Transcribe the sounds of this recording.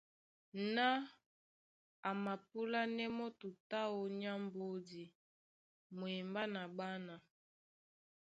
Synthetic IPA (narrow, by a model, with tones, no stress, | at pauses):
na˦ | a˨ma˨p̚u˦la˦nɛ˦mɔ˦tu˨ta˦o˦˨ɲa˦mbo˦di˨ | mo˨ɛ˨mba˦na˨ba˦na˨